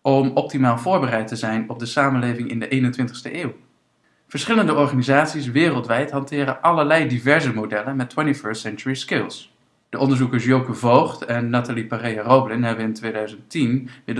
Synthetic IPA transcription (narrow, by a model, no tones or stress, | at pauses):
ʔɔmɔp̚timaːlˠvʊːɹbərɛjtəzɛjnɔb̚dəsaːmənlejvɪŋɪndəʔejnəntʋɪntə̥χstəʔeːw | v̥əɹsχɪləndəɔɹχaːnizaːtsisʋɪːrəlˠtʋɛjtɦɑntɪːɾəʔɑləɹlɛjdivɛɹzəmodɛlənmɛtwɛntifɜɹstsɛnt͡ʃʊɹiskɪlˠs | d̥əʔɔndəɹzukəɹsjowkəvowχtɛnːataliparejarowblɪnɦɛbənɪntʋejdœɥzəntinʋɪd